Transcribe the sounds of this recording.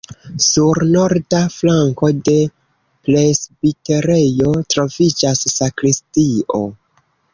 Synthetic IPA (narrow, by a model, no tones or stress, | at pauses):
suɾno̞ɾdaflaŋko̞de̞ | plesbite̞ɾe̞jo̞tɾo̞vid͡ʒasːakɾistiʔo̞̰